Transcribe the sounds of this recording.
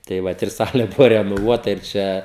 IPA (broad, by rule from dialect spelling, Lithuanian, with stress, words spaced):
tɐɪ ˈʋɐt ɪr ˈsɑːlʲeː ˈbʊʋoː rʲɛnoːˈʋuɔtɐ ɪr ˈt͡ʃʲɛ